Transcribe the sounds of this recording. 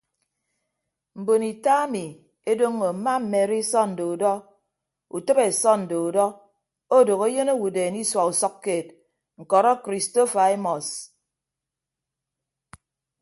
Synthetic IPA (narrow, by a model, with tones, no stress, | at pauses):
m̩˨bo˨ni˨ta˦a˦mi˨ | e˦do˦ŋːo˨m̩˨ma˦m̩˨me˨ɾi˦sɔ˦n̩˨do˨u˨dɔ˦ | u˨tɨ˦be˨sɔ˦n̩˨do˨u˨dɔ˦ | o˦do˨ɣe˦e˦je˦no˦wu˨deː˨ni˦swa˨u˨sɔ˦kːeː˨t̚ | ŋ̩˨kɔ˨ɾɔ˦kɾi˨sto˦fa˨e˦mɔ˨s